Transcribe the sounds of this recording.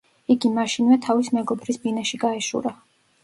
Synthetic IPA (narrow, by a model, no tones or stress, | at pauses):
iɡimaʃinvɛt̪ʰavismɛɡɔbɾisbinaʃiɡaɛʃṵɾa